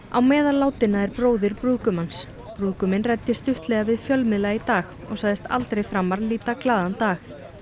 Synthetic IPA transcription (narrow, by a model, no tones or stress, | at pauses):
a̰wmɛːðalːaːwt̪ɪnːaɛɾpɾoːwðɪɾpɾuːkʏmans | pɾuːkʏmɪnrajt̪ːɪst̪ʏht̪lɛːɣavɪðfjœlmɪðlɛɣait̪aːɣ | ɔɣsaɣðɪst̪ʰa̰lt̪ɾejfɾamːaɾðliːt̪aklaːðant̪aːx